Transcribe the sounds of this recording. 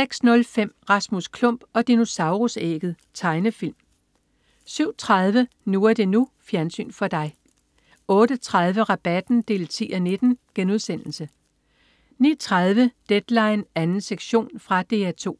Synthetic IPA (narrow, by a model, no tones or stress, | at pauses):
seɡ̥snɔ̽lfem̰ʁɑ̈smuskʰlɔ̽m̰b̥ɒ̽d̥ino̝sɑ̈ʊʁusḛːɡ̥ð̩ˠ | t͡sʰɑ̈ɪnəfil̰m | syʊ̰t͡sʰʁɑð̞ˠʋə | nuæɐd̥e̝nufjæɐnsy̰ːnfɒ̽d̥ɑ̈ɪ | ɔ̽ːɾ̥ət͡sʰʁɑð̞ˠʋəʁɑ̈b̥æd̥n̩d̥e̝̰ːlt͡sʰḭːʔæne̝d̥n̩ɡ̥enuð̞ˠsen̰l̩sə | nḭːt͡sʰʁɑð̞ˠʋəd̥ed̥lɑ̈ɪnænn̩seɡ̥ɕo̝̰ːnfʁɑ̈d̥e̝ːæt͡sʰo̝̰ː